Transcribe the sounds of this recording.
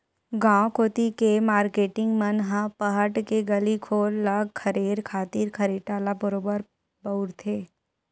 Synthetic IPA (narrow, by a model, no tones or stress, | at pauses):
ɡãːkoːt̪ikemaːɾkeːʈɪ̃ŋɡmɐnɦãpɐɦəʈkeɡɐlikʰoːlːaɡkʰɐɾeːɾkʰaːt̪iːɾkʰɐɾeːʈaːlabəɾoːbəɾ | bɐʊɾt̪ʰeː